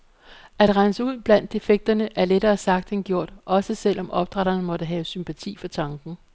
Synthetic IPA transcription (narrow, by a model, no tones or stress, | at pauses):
æd̥ʁɑ̈nəsəuð̞̰ˠb̥læn̰d̥e̝feɡ̥̚d̥ɐnəʔæɐleɾɐːsɑ̈ɡ̥̚d̥enɡ̥jo̝ɐ̰d̥ʔɒ̽səsel̰ɒ̽mʔɒ̽b̥̚d̥ʁɑɾ̥ɐnəmɒ̽ɾ̥əɦɛːʊsympʰæt͡sʰḭːfɒ̽t͡sʰɑ̈ŋɡ̥n̩